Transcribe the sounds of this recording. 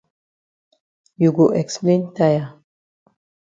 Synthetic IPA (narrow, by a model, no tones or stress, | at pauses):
juɡoʔɛksplẽntaja